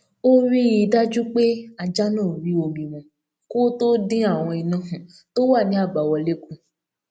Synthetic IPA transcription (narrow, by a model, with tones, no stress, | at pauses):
o˦ɾi˦i˧da˦d͡ʒu˦k͡pe˦a˧d͡ʒa˦nɔ̃ː˦˨ɾi˦o˧ɡĩ˨w̃ɔ̃˨ | ko˦to˦dĩ˦a˦˨w̃ɔ̃˧i˧nɔ̃˨˦ɦũ˨ | to˦wa˦˨nĩ˨˦a˦˨ba˨wɔ˧le˦kũ˧